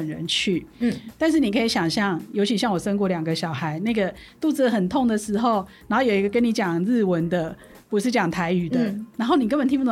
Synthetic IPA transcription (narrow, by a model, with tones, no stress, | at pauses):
ə˨nɻə̰˧˦nt͡ɕʰy˥˨t̪a˥˧nʂ̬ɻ̩˥˩ni˨˩kʰə˧˥i˨˧˥ɕjɑ˨˩ŋɕjɑ˥˩ŋjo˧ʊt͡ɕʰi˧˥ɕjɑ˥˩ŋwɔ˨˩ʂə˥nk̬wɔ˥˩ljɑ˨˩ŋɡə˦ɕjɑ˨˩ʊxa˧˥ɪna˥˩ɪɡə˩t̪u˥˧t͡s̩˥d̪ə˨˩xə˨˩nt̪ʰo˥˩ŋd̪ə˨˩ʂɻ̩˧˥xo˥˩ʊna˨˧nxo˥˩jo˨˩i˧ɡə˧kə˦˥ni˧˥t͡ɕjɑ˨˩ŋɻ̩˥˩wə˧˦nd̪ə˨ | pu˧˥ʂɻ̩˥˩t͡ɕjɑ˨˩ŋt̪ʰa˧˥ɪy˨˩d̪ə˦na˧nxo˥˩ʊni˨kə˥nbə˨nt̪ʰi˥pu˥˩˥